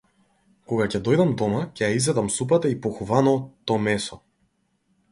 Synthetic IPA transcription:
kɔɡacɛd̪ɔjd̪amd̪ɔmacɛjaizvɛd̪amsup̬at̪aipɔxuvanɔt̪ɔmɛsɔ

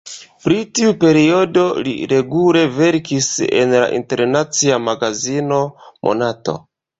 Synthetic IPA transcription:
pɾitiupe̞ɾio̞do̞lḭɾe̞ɡule̞ve̞ɾkise̞̰nla̰ʔḭnte̞ɾnat͡siamaɡazino̞mʔo̞̰nato̞̰

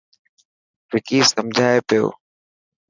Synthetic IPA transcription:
ʋɪkiːsəmd͡ʑʱaːepijo̰ː

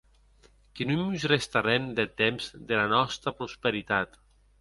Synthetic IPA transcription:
kinumuzrest̪aɾend̪et̪emz̥d̪elanɔst̪ɾapɾuspeɾit̪at̪

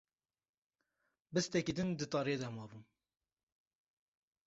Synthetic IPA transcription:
bɨst̪ɛkid̪ɨnd̪ɨt̪ɑːɾijed̪ɛmɑːbun

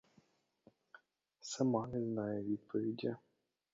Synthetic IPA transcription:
sɐmɑnɛznɑjɛʋʲid̪̚pʰɔʋʲidʲɐ

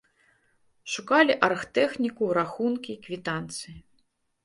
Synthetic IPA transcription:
ʂukalʲiʔɐrxt̪ɛxnʲikuɾaxunkʲikvʲit̪ant̪sɨji

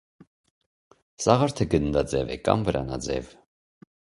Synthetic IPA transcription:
sɑʁɑɾt̪ʰəɡənd̪ɑd͡zɛvɛ̰kɑ̰mvəɾɑ̰nɑd͡zɛ̰v

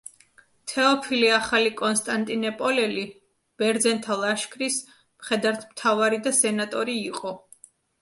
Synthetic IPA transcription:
t̪ʰɛɔpʰiliaχalikʼɔnst̪ʼant̪ʼinɛpʼɔlɛli | b̥ɛɾd̪zɛnt̪ʰalˠaʃkʰɾis | mχɛd̪aɾt̪ʰmt̪ʰavaɾid̪asɛnat̪ʼɔɾiːqʼɔ

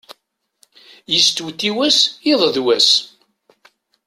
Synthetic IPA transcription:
jəst̪wt̪ːiwæsiðˤðwæs

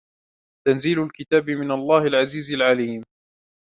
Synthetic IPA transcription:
t̪anziːlʊlkɪt̪aːbɪmɪnalˤːɑːhɪlʕaziːzalʕaliːm

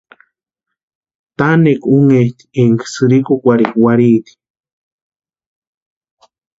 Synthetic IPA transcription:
t̪anekʷuŋeht̪i̥eŋksɨɾikokʷaɾikwaɾit̪i̥

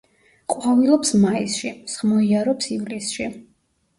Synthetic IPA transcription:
qʼwavilˠɔpsmaisʃisχmɔiaɾɔpsivlisʃi

